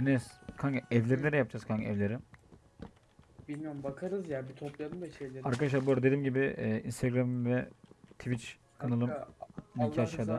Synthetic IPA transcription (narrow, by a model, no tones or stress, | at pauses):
nɛskʰaŋɡɛvlʲeɾined̪ɛjap̚d͡ʒaz̥kʰaŋɡɛvlʲe̞ɾi | bilʲmijoɾmbakʰaɾɯzjabit̪ʰoplˠad̪ɯmd̪aʃejllʲeaɾkʰad̪aʃlˠaːbuɾad̪e̞d̪imɟibɪːinst̪ʰeɡɾamvɛt̪ʰivit͡ʃ | kʰɯnalˠɯmnicʰiaʃaːd̪a